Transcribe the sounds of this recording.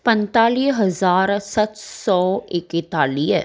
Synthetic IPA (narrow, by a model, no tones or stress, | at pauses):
pə̃nt̪aːliːɦəzaːɾsɐt̪sɔːɪkɪt̪aːliːɛ